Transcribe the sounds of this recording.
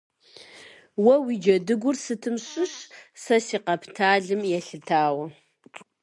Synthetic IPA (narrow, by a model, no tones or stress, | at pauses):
wɐwid͡ʒɐdɨɡʷʊrsɨtʰɨmɕʼʊɕsɐsiːqɐpʰtʰaːɮɨmjɛɬɨtʰaːwɐ